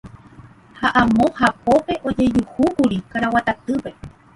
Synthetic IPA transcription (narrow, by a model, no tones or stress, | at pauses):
haʔãmõhapo̞pe̞ʔo̞d͡ʒe̞d͡ʒuhukuɾikaɾawat̪at̪ɨpe̞